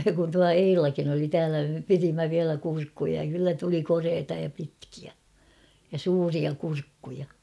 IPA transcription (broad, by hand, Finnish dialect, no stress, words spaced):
kun tuɑ eilɑkin oli tæːlæ me pirimːæ ʋiælæ kurkːujɑ jɑ kylːæ tuli koreːtɑ jɑ pitkiæ jɑ suːriɑ kurkːujɑ